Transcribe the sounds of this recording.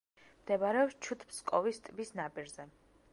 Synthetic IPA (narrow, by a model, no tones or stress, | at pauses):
md̪̥ɛbaɾɛɔpst͡ʃʰut̪ʰmskʼɔvist̪ʼbisnapʼiɾzɛ